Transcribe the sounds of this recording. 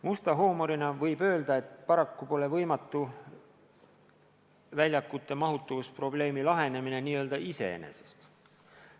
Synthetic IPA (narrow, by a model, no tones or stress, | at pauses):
must̪ɑɦo̞ːmo̞ɾinɑvɤjbø̞ːld̪̥ɑe̞t̪ːpɑɾɑkːupo̞le̞vɤ̞jmɑt̪ːˑu | vælʲjɑkːˑut̪ːˑe̞mɑɦut̪ˑːuvuspro̞ble̞ːmilɑɦe̞ne̞mine̞niːø̞ld̪ɑise̞̰ḛnḛsest̪